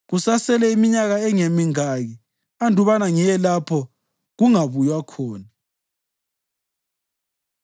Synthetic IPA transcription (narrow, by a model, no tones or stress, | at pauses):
ɣusasɛlɛimiɲaɣaɛŋemiŋaɣi | andʱuβanaŋijɛlapʰɔ | ɣuŋaβujwakʰɔːna